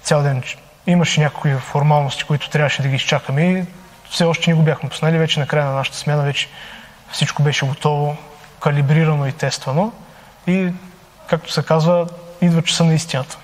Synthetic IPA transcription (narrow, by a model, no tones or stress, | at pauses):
t̪sʲalˠd̪ɛn | iməʃɛnʲakokifoɾmalˠnost̪i̥koit̪ʊ̥t̪ɾʲavəʃɛd̪ɐɡʲist͡ʃakəmɛi | fsɛɔʃt̪ɛnɛɡobʲjaxmɛpo̥znalivɛt͡ʃɛnɐkɾajənɐnaʃə̥t̪ə̥smʲjanɐvɛt͡ʃɛ̥ | fsit͡ʃkobɛʃɛɡot̪ɔvo | kɐlʲibɾiɾɐnoit̪ɛst̪vɐno | i | kak̚t̪o̥sɛkazvəid̪vət͡ʃɐ̥sənɐist̪inət̪ə̥